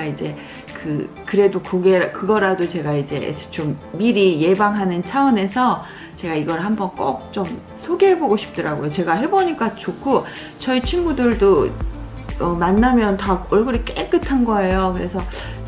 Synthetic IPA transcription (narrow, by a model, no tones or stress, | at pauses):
id͡ʑe̞ | kɯ | kɯɾe̞dokoɡeɾakɯɡʌɾadot͡ɕe̞ɡaid͡ʑe̞̰t͡ɕomːiɾije̞baŋɦanɯnt͡ɕʰaʌne̞sʰʌ | t͡ɕe̞ɡaiɡʌɾhambʌnk͈ok̚t͡ɕ͈om | sʰoɡeɦeboɡoɕʰi̥p̚t͈ʌɾaɡojot͡ɕe̞ɡaɦe̞boɲik͈at͡ɕokʰo | t͡ɕʌit͡ɕʰiŋmudɯɭdo | ʌmanːamjʌntaʌɭɡɯɾik͈ek͈ɯtʰanɡʌe̞jokɯɾe̞sʰʌ